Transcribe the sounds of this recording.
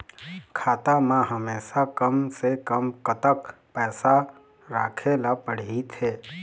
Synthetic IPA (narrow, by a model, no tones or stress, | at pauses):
kʰaːt̪amãɦəmeːʃakəmsekəmkət̪əkpɛːsa | ɾaːkʰelapəɽ̤it̪ʰeː